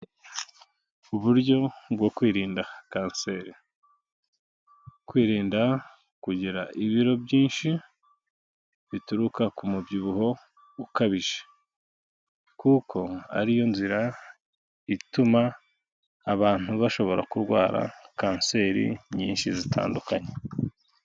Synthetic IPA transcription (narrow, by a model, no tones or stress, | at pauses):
uβuɾɟo̞bɡo̞kwiːɾiːndakaːnse̞ːɾi | kwiːɾiːnda | kuɟiɾaʔiβiɾo̞bɟiːnʃi | βituɾukakumubɟiβuɦo̞ | ukaβiʒe̥ | kukʰo̞a̰ɾijo̞nziɾa | itumaː | βaːn̥huβaʃo̞βo̞ɾa̰kuɾɡwaːɾa̰kaːnse̞ːɾḭɲiːnʃizitʰa̰ːndukaɲe